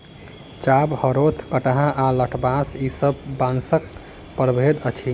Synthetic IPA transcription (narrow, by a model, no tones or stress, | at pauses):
t͡ʃabhəɾot̪ʰkəʈɦãʔaləʈʰbasisəbbãnsək | pəɾbʱed̪ət͡ʃʰi